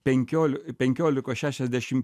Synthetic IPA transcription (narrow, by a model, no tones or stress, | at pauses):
pʲɛŋʲkʲoːlʲpʲɛŋʲkʲoːlʲɪkoːʃʲæːʃʲɛzʲd̪ʲæʃʲɪm